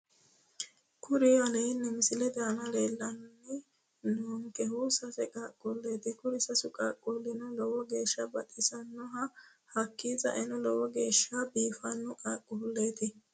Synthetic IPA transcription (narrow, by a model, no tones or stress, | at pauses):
kʰʊɾɪɐlɛjɪnːɛmɪsɪlɛd̪ɛɐnɐleːlːɐnːɪ | noːŋkɛɦʊsɐsɛkʼakʼːʊlːeːt̪ɪkʊɾɪsɐsʊkʼaːkʼːʊlːɪnʊlɔwɔɡeːʃːɐbɐt̪ʼɪsɐnːɔɦɐ | hɐkːiːzɐ̰ʔɛnʊlɔwɔɡe̞ːʃːɐbiːfɐnːʊkʼaːkʼːʊʊlːeːt̪ɪ